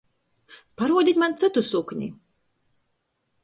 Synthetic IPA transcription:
paɾuɔd̪ʲit̪ʲmant̪sɨt̪usukɲʲḭ

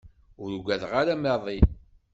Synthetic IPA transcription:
ʊɾuɡʷæðʁaɾamɛðˤi

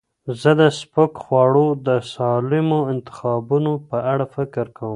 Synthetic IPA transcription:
zəd̪əspəkxwɑɽod̪əsɑlɪmoɪnt̪ɪ̥xɑbunopəʔaɽafɪkɪɾkawəm

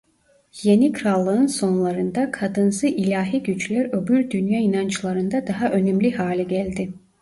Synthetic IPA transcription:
je̞nikʰɾalˠːɯɯnso̞nlˠaɾɯnd̪akʰad̪ɯnsɯʔilʲaːɦiɟyt͡ʃlʲæɾø̞bylʲd̪ynjaːinant͡ʃlˠaɾɯnd̪ad̪aɦaʔø̞nɛmlʲiɦaːlʲɛɟælʲd̪ɪ

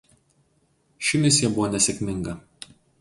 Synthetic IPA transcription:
ʃʲɪmʲɪs̬ʲjiɛbʊʋoːnʲɛsʲɛkʲmʲɪŋɡɐ

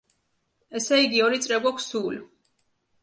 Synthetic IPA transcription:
ɛsɛiɡiɔɾit̪sʼɾɛɡwakʰsul

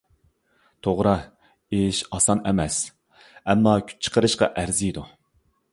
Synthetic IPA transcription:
t̪ʰoʁɾɑ | eʃɑsɑnɛmɛs | ɛmːɑkʲʰy̥t͡ʃʰə̥qʰəɾɨʃqɑ̰ʔæɾzijd̪u

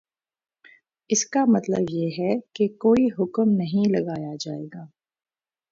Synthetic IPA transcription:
ɪskamɐt̪lə̰bjeːɦɛkekoːiɦʊkəmnɐɦĩlɐɡaːjad͡ʒaːḛːɡaː

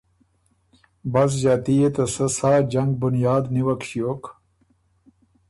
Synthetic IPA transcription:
bɐs̬d͡ʑaːt̪ijet̪ɐsɐsaːd͡ʑɐŋɡ̚bunjaːd̪niwɐkɕijoːk

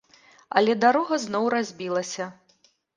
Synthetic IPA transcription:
ɐ̰lʲɛd̪aɾɔɣɐznɔwrazʲbʲilˠɐsʲɐ

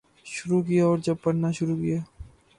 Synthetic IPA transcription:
ʃʊɾukijaɔːɾd͡ʒɐb̚pɐɽnaʃʊɾukija

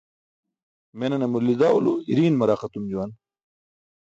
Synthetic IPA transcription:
menɐnemulːid̪aːuluiɾiːnmɐɾaːχɐt̪umd͡ʑuwan

